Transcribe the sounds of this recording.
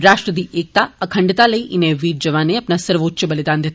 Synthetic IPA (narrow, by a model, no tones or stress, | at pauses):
ɾaːʃʈɾəd̪iʔek̚t̪aəkʰə̃ɳɖt̪aləiʔɪneʋiːɾd͡ʒəʋaneapnasəɾʋotːʃəbəlid̪and̪ʱeɦt̪